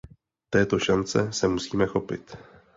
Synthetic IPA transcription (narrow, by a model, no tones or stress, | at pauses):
t̪ɛːt̪o̞ʃant͡sɛsɛmusiːmɛxo̞pɪ̰t̪